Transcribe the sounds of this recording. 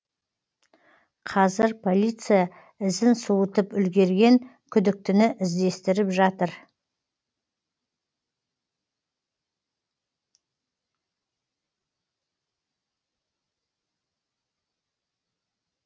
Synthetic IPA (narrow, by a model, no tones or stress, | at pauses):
qʰɑzɪɾpʰo̞lʲijt̪sɨja | ɪzɪnsuwət̪əpʏlɡʲe̞ɾɡʲe̞ŋ | kʲʰʏd̪ɪk̚t̪ɪnɪʔɪzd̪e̞st̪ɪɾɪpʒɑt̪əɾ